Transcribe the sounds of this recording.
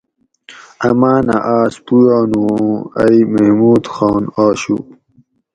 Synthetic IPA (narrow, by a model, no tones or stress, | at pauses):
ɐmaːna̰ʔaːspujaːnuɐ̰imehmuːd̪xaːnaːɕṵ